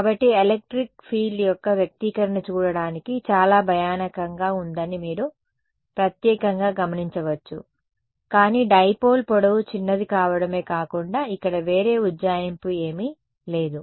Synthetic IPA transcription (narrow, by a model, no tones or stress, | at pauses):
kaːbɐʈːielek̚ʈɾikpʰiːɖjɔkːɐʋjɐk̚t̪ikɐɾɐnɐt͡ʃuːɽɐɽaːnikit͡ʃaːlaːbʱɐjaːnɐkɐŋɡaːund̪ɐnimiːɾu | pɾɐt̪jɛːkɐŋɡaːɡɐmɐniɲt͡ʃɐʋɐt͡ʃːṵ | kaːniːɖɐjpo̞ːlpɔɽɐwut͡ʃinːɐd̪ikaːʋɐɽɐme̞ːkaːkuɳɖaːikːɐɽɐʋe̞ːɾe̞ːudd͡ʒaːjɐmpue̞ːmi | le̞ːd̪u